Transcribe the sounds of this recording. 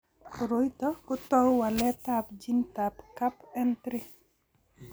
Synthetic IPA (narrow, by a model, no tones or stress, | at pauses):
ɾojtɔkʊtɔwwalɛtapd͡ʒintapkapɛntɾɪ